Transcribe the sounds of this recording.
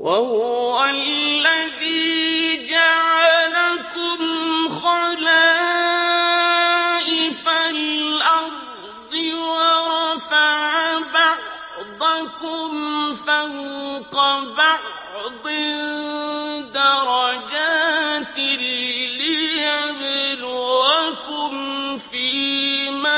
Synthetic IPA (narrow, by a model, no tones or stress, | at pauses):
wʔahʊwalːaðiːd͡ʒaʕalakʊmxɑlaː | ʔɪfalʔɑɾ | d̪ˤɨwɑɾˤɑfaʕaba | d̪ˤɑkʊmfawqɑba | ʕd̪ˤɪ | d̪ɑɾˤɑd͡ʒaːt̪ɪllɪjabɪluakʊmfiːma